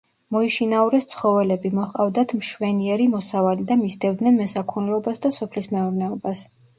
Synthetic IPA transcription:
mɔiʃinauɾɛst̪sʰχɔvɛlɛbimɔχqʼavd̪at̪ʰmʃwɛniɛɾimɔsavalid̪amisd̪ɛvd̪nɛnmɛsakʰunɛlɔbasd̪asɔpʰlismɛuɾnɛɔbas

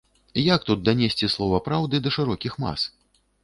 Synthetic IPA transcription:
jak̚t̪ut̪̚d̪ɐnʲesʲt͡sʲislˠɔvɐpɾawd̪ɨd̪ɐʂɨɾɔkʲixma̰s

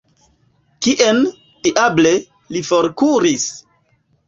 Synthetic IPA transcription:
kiʔen | tiʔable | lifoɾkuɾis

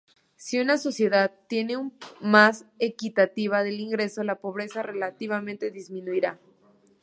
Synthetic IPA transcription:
siunaso̞sje̞ðaðt̪ːje̞ne̞umase̞kit̪at̪iβaðeliŋɡɾe̞so̞lapo̞β̞ɾe̞sare̞lat̪iβamẽ̞nt̪e̞ðizmĩnuiɾa

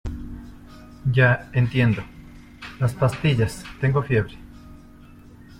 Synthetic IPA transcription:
ɟ͡ʝaent̪je̞nd̪o | laspast̪iʎast̪e̞ŋɡo̞fje̞βɾe̥

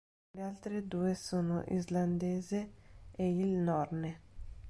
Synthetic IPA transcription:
lealt̪ɾed̪uːesoːno̰ʔḭzland̪eːzeeilnɔrne

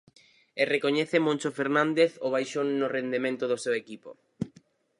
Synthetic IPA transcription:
erekoɲɛθemõnt͡ʃofeɾnãnd̪eθoβ̞ajʃonːʊrend̪emẽnt̪ʊðosewekipo̰

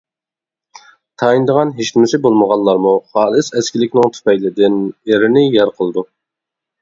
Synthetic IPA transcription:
t̪ʰɑind̪əʁɑnɦeʃt̪ɪmɪsɪbolˠməʁɑlˠlːˠɑɾmuχɑːlˠɨsɛskʲilɪkʲnɪŋt̪ʰy̥pɛjlɪd̪ɪneɾɪnɪjɛɾqʰəlˠɨd̪u

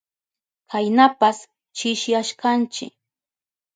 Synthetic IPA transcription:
kʰajnapas | t͡ʃɪʃjaʃkant͡ʃɪ̰k

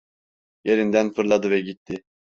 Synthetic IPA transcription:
je̞ɾind̪ænfɯɾlˠad̪ɯvɛɟit̪ʰːɪ

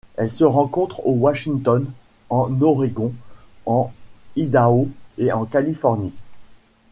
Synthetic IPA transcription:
ɛlsəʁɑ̃kɔ̃t̪χowaʃĩŋt̪ɔn | ɑ̃nɔʁeɡɔ̃ɑ̃id̪aoeɑ̃kalifɔʁni

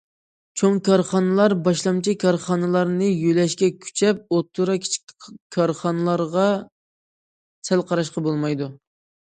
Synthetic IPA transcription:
t͡ʃʰoŋkʰɑɾχɑnɨlˠɑɾbɑʃlˠɑmt͡ʃʰikʰɑɾχɑnɨlˠɑɾnɨjølɛʃkʲɛkʲʰy̥t͡ʃʰɛp̚ot̪ʰːuɾɑkʲʰi̥t͡ʃʰi̥k̪̚ʲkʲʰɑɾχɑnɨlˠɑɾʁɑ | sælqʰɑɾɑʃqɑbolˠmɑjd̪u

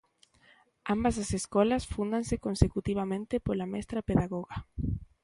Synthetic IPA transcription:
ambasaseskɔlasfund̪aŋsekonsekut̪iβ̞amẽnt̪epolamɛst̪ɾapeðaɣɔɣa

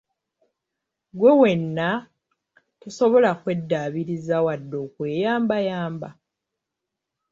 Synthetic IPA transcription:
ɡwe̞we̞nːa | teso̞βo̞lakwe̞dːaβiɾizawadːo̞ːkwe̞ːjaːmbajaːmba

